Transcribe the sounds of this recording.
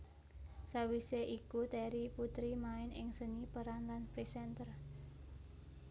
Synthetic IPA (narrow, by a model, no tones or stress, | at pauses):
sawiseʔikut̪ɛɾiput̪ɾimaɪnɪŋsənipəɾanlanpɾisɛnt̪ər